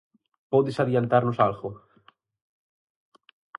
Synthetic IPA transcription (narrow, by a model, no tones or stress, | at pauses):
poðesaðjant̪aɾnosalɣo